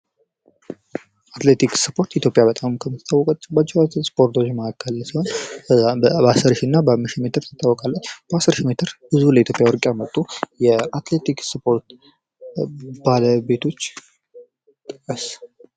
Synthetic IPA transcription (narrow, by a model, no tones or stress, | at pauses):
at̪le̞t̪ʰiksɨpʰo̞ɾt̪it̪ʰjopʼjabət̪ʼamkʰəmɨt̪t̪ʰawːɔkʼət͡ʃːɛbat͡ʃːiaspʰo̞ɾt̪ʰot͡ʃːməkʰakʰːəlsiho̞n | asɨɾʃinːabəmːɨʃime̞t̪ʰɨɾsʰɨ̥t̪ʼːawːɔkʼalːət͡ʃːb̥əasɨɾʃime̞t̪ʰɨɾbɨzβuləit̪ʰjo̞pʼjawɔɾkʼjamət̪ʼːujɛat̪le̞t̪iksɨpʰo̞ɾt̪ | baləbe̞t̪ʰo̞t͡ʃː | t̪ʼɨkʼːəs